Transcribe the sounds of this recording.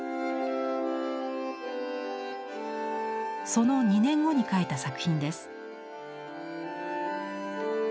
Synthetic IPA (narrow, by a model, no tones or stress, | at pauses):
so̞no̞ɲ̟inẽ̞ŋɡo̞ɲ̟ikaet̪asakɯ̟̥çʲĩnd̪e̞sɨ̥